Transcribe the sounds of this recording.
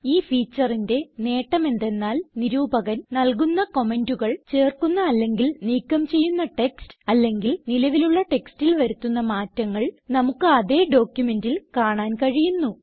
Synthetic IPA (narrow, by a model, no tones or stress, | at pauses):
iːfiːt͡ɕːɐrinde̞ne̞ːʈːɐme̞nd̪e̞nːaːlniɾuːbɐɣɐnnɐlkunːɐko̞me̞nduɣɐɭt͡ɕe̞ːrkunːɐːlːe̞ŋɡilniːkːɐmt͡ɕe̞jːunːɐʈe̞kstɨɐlːe̞ŋɡilnilɐʋiluɭːɐʈe̞kstilʋɐɾut̪ːunːɐmaːtːɐŋːɐɭnɐmukːɨɐðe̞ːɖo̞ːkjume̞ndilkaːɳaːnkɐɻijunːu